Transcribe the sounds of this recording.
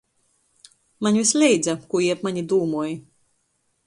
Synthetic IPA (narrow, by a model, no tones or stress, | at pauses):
manʲvʲislʲɛjd̪zakujɛpmanʲid̪uːmuɔj